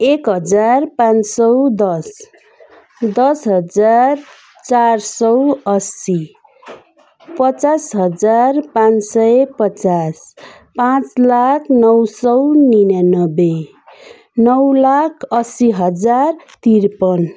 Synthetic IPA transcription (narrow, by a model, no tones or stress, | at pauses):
ekɦʌd͡zarpãnsʌwd̪ʌs | d̪ʌsɦʌd͡zar | t͡sarsʌwʌsi | pʌt͡sasɦʌd͡zarpãnsʌjpʌt͡sas | pãt͡slakʰnʌwsʌwninanʌbe | nʌwlakʰʌsiɦʌd͡zart̪irpʌn